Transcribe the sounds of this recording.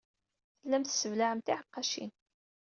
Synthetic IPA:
θəlːæmθə̥səvlaʕəmt̪iʕəqːɑʃḭn

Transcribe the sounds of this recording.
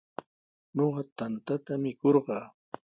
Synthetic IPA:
ɲoɢɑt̪ant̪at̪amɪkoɾɢɑː

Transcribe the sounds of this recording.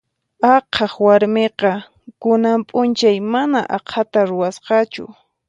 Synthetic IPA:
ɑqʰɑχwaɾmeqɑ | kʊnampʼʊnt͡ʃajmanaʔɑqʰat̪aɾʊwasqɑt͡ʃʊ̰

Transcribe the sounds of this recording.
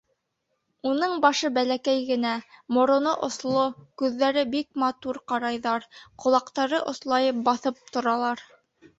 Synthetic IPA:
unɤɴbɑʃɤbælækæjɡɘ̆næmŏɾŏnoʔŏslˠokʉðːæɾɘbik̚mɑt̪uɾqɑɾɑjðɑɾqŏlˠɑqt̪ɑɾɤʔŏslˠɑjɤp̚bɑθɤp̚t̪ŏɾɑlˠɑɾ

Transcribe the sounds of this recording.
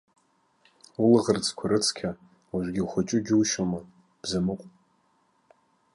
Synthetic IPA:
ulɨʁərt͡sʰkʷʰaɾɨt͡sʰkʲʰa | waʒʷᶣɡʲiχʷat͡ʃʼʊɡʲɪuʃoma | b̥zamɨqʷʼ

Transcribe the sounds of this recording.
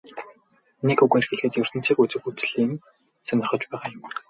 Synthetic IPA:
nekɵɣerxĕɮxɘ̆t̪jʊr̥t̪ɘ̥̆t͡siːkut͡sɘ̆kut͡sɮiːn | sœnʲɪ̆rχɞ̆t͡ɕpæːʁaːjʊm

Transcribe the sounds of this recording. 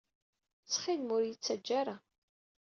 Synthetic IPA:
t͡sːχilmʊɾjət͡sːæd͡ʒːaɾa

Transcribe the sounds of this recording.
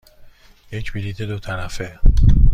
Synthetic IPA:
jecʰbilit̪ʰed̪ot̪ʰæɾæfe

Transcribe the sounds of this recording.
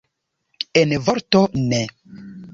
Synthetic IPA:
envoɾtone

